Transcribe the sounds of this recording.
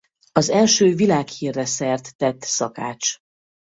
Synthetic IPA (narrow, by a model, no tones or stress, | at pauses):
ɒzɛlʃøːvilaːkhiːrːɛsɛrt̪ːɛt̪ːsɒka̰ːt͡ʃ